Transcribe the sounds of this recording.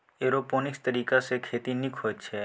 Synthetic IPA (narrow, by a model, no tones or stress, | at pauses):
eɾoponist̪əɾikasekʰet̪inikʰojt͡ʃʰe